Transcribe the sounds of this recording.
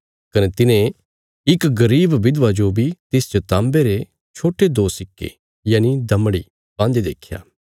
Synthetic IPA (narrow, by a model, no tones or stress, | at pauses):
kɐnet̪ɪnẽ | ɪkɡɐɾiːbʋɪd̪ʋad͡ʒobʱit̪ɪst͡ʃɐt̪ãːmbeɾe | t͡ʃʰoːʈed̪oːsɪkːḛ | jaːnid̪ɐmɽḭ | bãːnd̪id̪eːkʰːja̰ː